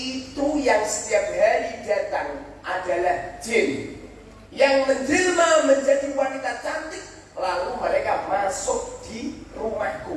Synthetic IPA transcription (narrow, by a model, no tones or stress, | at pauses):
it̪ujaŋsə̥t̪iap̚dalida̤t̪aŋʔadalahd͡ʒɪn | jaŋməɲd͡ʒilmaməɲd͡ʒadiwanit̪at̪ant̪ɪk̚ | laluməɾakamasʊk̚d̥irumaɡo